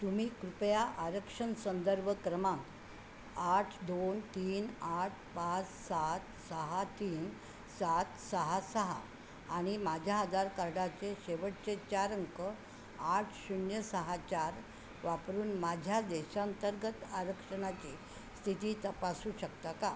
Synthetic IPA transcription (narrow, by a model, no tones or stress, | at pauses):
t̪um̤iːkɾupjaʔaɾəkʂəɳsənd̪əɾbʱəkɾəmãŋɡ | aʈʰd̪ont̪iːnaʈʰpat͡ssat̪səɦat̪iːn | sat̪səɦasəɦa̰ː | ɽ̃imad͡ʑʱjaːd̪ʱaɾkaɾɖat͡seɕeʋəʈ̚t͡set͡ɕaɾəŋkə | aʈʰɕuɳjəsəɦat͡ɕaɾ | ʋapɾuːnmad͡ʑʱjad̪eɕaːnt̪əɾɡət̪aɾəkʂəɳat͡ɕiː | st̪ʰit̪iːt̪əpasuːɕəkt̪aka